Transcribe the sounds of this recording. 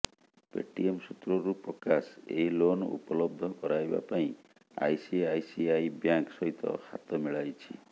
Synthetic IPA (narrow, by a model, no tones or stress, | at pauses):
pḛʈiemsut̪ɾɔɾupɔkaseɦilonṵpɔlɔb̚d̪ʱɔkɔɾajba̰paĩ | a̰jsiajsiajbjaŋksɔɦit̪ɔ̰ha̰t̪ɔmiɭajt͡ʃʰḭ